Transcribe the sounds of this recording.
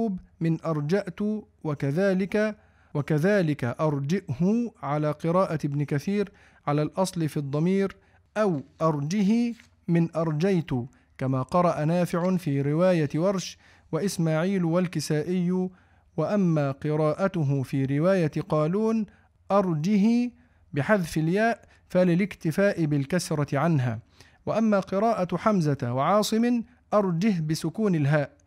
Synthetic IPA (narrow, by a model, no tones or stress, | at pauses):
uːbmɪnʔɑɾˤd͡ʒaʔt̪ʊ | wakaðaːlɪka | wakaðaːlɪkaʔɑɾˤd͡ʒɪʔhʊʕalaːqɨɾaːʔaɪbnɪkaθiːɾ | ʕalaːlʔɑsˤlɪfid̪ˤːɑmiːɾ | ʔawʔɑɾˤd͡ʒɪɦɪ | mɪnʔɑɾˤd͡ʒajt̪ʊ | kamaːqɑɾˤɑʔanaːfɪʕʊfiːɾɪwaːjawɑɾˤʃ | waʔɪsmaːʕiːlwalkɪsaːʔɪjːʊ | waʔamːaːqɨɾˤaːʔat̪ʊɦʊfiːɾɪwaːjat̪qɑːluːn | ʔɑɾˤd͡ʒɪɦ | bɪħaðfɪljaːʔ | falɪlɪkt̪ɪfaːʔɪbɪlkasɾˤɑt̪ɪʕanɦa̰ː | waʔamːaːqɨɾˤɑːʔaħamzawaʕɑːsˤɨmɪ | ʔɑɾˤd͡ʒɪɦbɪsʊkuːnɪlɦaːʔ